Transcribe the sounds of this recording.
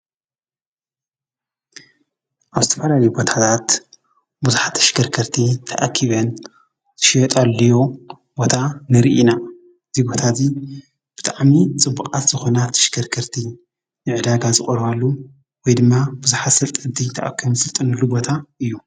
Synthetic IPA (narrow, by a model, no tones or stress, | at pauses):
ʔaβzɨt̪ʰɐ̥fɐlalɐjubo̞t̪ʰat̪ʰat̪ | buzuħat̪ʰːɐ̥ʃkʰɐɾkʰɐɾt̪ʰit̪ʰɐʔakʰːiβɐn | z̥ɨ̥ʃijɔt̪ʼalːɐjo | bo̞t̪ʰanɨɾʔina | ɨzibo̞t̪ʰazi | b̥ɨt̪ʼaʕmit͡sʼɨbːukʼat̪z̥ɨxo̞nat̪ʰɐ̥ʃkʰɐɾkʰɐɾt̪ʰi | nɨʕɨd̪aɡazɨχʼɐɾβalːu | wɔjd̪ɨmːab̥uzuħat̪sɐlt̪ʼɨd̪it̪ʰɐʔa̰kʰːɨmsɨlt̪ʼɨnɨlːubo̞t̪ʰaɨjːu